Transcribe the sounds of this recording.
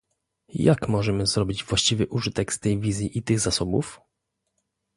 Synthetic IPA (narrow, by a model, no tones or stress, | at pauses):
jakmɔʐɛmɘzɾɔbʲid͡ʑvwaɕt͡ɕivɘʔuʐɘt̪ɛkst̪ɛjvʲizʲjiʔit̪ɘɣzasɔbṵf